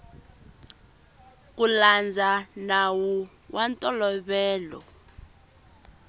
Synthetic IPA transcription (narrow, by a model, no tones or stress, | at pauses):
k̬uland͡zʱanawu | wʔantʼɔlɔɓɛːlɔ̰